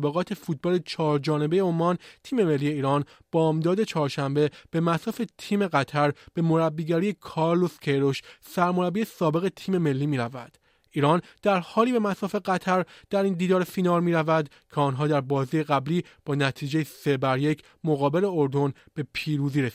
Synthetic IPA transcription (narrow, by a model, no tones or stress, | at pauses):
beɣɒːt̪ʰe̞fuːt̪̚bɒːle̞t͡ʃʰɒːɾd͡ʒɒːne̞bejeomːɒːnt̪ʰiːme̞me̞lːije̞iːɾɒːn | b̥ɒːmd̪ɒːd̪e̞t͡ʃʰɒːɾʃæmbe̞b̥e̞mæsɒːfet̪ʰiːme̞ɣæt̪ʰæɾb̥e̞mo̞ɾæbːiːɟæɾijekʰɒɾlo̞scʰeɾoʃsæɾmoɾæbiːesɒːbe̞ɣe̞t̪ʰiːme̞me̞lːiːmiːɾævæ̰d̪̥ | iːɾɒnd̪̥æɾhɒːliːbe̞mæsɒːfe̞ɡæt̪ʰæɾd̪̥æɾiːnd̪iːd̪ɒːɾefinɒːlmiːɾævæd̪ | cʰeɒːnɦɒːd̪æɾbɒːziːjeɣæbliːb̥ɒːnæt̪ʰiːd͡ʒejese̞bæɾje̞cʰ | mo̞ɣɒːbe̞le̞oɾd̪o̞n | b̥e̞pʰiːɾuːziɾes